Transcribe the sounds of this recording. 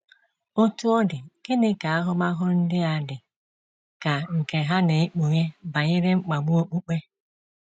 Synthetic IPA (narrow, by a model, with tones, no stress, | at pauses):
o˦tu˦ɔ˦dɪ˨ɡ̥ɪ˦nɪ˦ka˨a˦ɦʊ˦ma˦ɦʊ˦n̩˦dɪ˦a˨dɪ˨ | ka˨ŋ̩˨ke˨ɦa˦ne˨i˦k͡pu˨ɲe˦ba˨ɲɪ˦ɾe˦ŋ͡m̩˦k͡pa˨ɡ͡bu˦o˦k͡pu˦k͡pe˦